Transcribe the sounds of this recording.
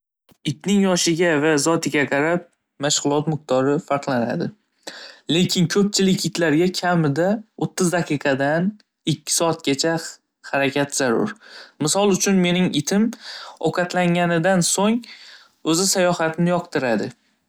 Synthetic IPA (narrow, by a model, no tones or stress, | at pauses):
ɪt̪nɪŋjɒʃɪɡʲavazɒt̪ʰɪɡʲaqʰɑɾap̚ | maʃʁʊlˠɒt̪mʊq̚t̪ʰɒɾɪfaɾqlˠana̰d̪ɪ | le̞kʲʰɪnkʲʰɵp̚t͡ʃʰɪlɪkʲɪt̪laɾɡʲakʲʰamɪd̪aot̪ʰːɪzd̪aqʰɨqʰɑd̪an | ɪkʲʰːɪ̥sɒat̪̚ɡʲat͡ʃʰa | haɾakʲʰat̪z̥aɾʊ̰ɾmɪsɒlˠʊt͡ʃʰʊnme̞nɪŋɪt̪ʰɪmɒ̰qʰɑt̪laŋanɪd̪ansoŋ | ɵzɪsajɒhat̪ʰɪnɪjɒqt̪ɪɾad̪ɪ